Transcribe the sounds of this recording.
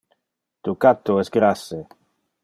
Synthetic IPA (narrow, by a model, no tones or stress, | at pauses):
t̪ukat̪ːoɛsɡɾase